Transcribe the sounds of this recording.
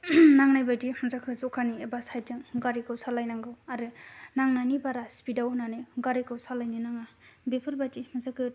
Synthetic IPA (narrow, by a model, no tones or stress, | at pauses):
naŋnajbajtimɯzakʰɯzɔkʰaniebasajtɯŋɡaɾikɯwsalajnaŋɡɯwaɾɯnaŋnanibaɾaspidawnanajɡaɾikɯwsalajninaŋabepʰɯɾbajdimɯzakʰɯ